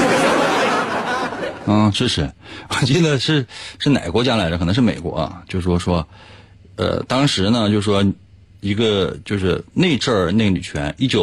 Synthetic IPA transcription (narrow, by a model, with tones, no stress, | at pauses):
ʂɻ̩˥˩ʂɻ̩˧˥wɔ˨˩t͡ɕi˥˩d̪ə˩ʂɻ̩˥˧ʂɻ̩˥˩na̰˨˩ɪkwɔ˧˥t͡ɕja˥la˧˥ɪdə˧kʰn˧˥ʂɻme˨˩ɪkwɔ̰˧˥ɐ̰˧t͡ɕjo˥˧ʊʂɻ̩˥˩ʂwɔ˥ʂwɔ˥ | ə̰˧t̪ɑ˥ŋʂɻ̩˧˥nə˧t͡ɕjʊʂɻ̩˥˩ʂwɔ˥ | i˧˥ɡə˧t͡ɕjo˥˧ʊʂɻ̩˥˧ne˥˧ɪʈ͡ʂə˥˧ne˥˩ɡə˩ny˨˩t͡ɕʰɥɛ̰˧˥ni˥˩t͡ɕjo˨˩